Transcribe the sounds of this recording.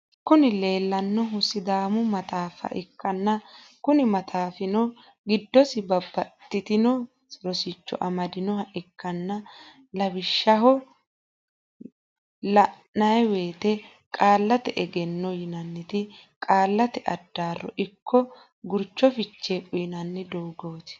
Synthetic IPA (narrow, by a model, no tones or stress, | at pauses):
kʊnɪle̞ːlːɐnːɔɦʊsɪd̪aːmʊmɐt̪aːfɐ̰ʔɪkːɐnːɐ | kʊnɪmɐt̪ʰaːfɪnɔ | ɡɪd̪ːɔsɪbɐbːɐt̪ːɪt̪ɪnɔ | sɾɔsɪt͡ʃːɔ̰ʔɐmɐd̪ɪnɔhɐʔɪkːɐnːɐ | lɐbɪʃːɐɦɔ | lɐnːɐjwe̞ːt̪ɛ | kʼaːlːɐt̪ɛʔɛɡɛnːɔjɪnɐnːɪt̪ɪkʼaːlːɐt̪ɛʔɐd̪ːaːrːɔ̰ʔɪkʰːɔ | ɡʊɾt͡ʃːɔfɪt͡ʃːeːkʼʊjɪnɐnːɛd̪oːɡoːt̪ɪ̥